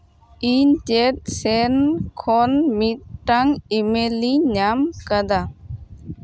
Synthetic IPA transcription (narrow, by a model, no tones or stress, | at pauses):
intet̪̚sɛnkʰɔnmit̪̚ʈaŋimeliɲamkad̪a